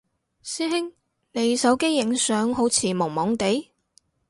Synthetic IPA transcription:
siː˥ɦɪ˥ŋ | ne˨˧jsɐ˨˥wke˥jːɪ˨˥ŋsœː˨˥ŋɦo˨˥wt͡sʰiː˨˩mʊ˨˩ŋmɔː˨˥ŋt̪e˨˥j

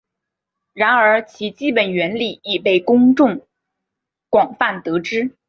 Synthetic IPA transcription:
ɻa˧˥nə˞˧˥t͡ɕʰi˧˥t͡ɕi˥pə˨˩nɥɛ˧˥nli˨˩i˨˩pe˥˩ɪkʊ˥ŋʈ͡ʂʊ˥˩ŋ | kwɑ˨˩ŋfa˥˩nt̪ɤ˧˥ʈ͡ʂɻ̩˥

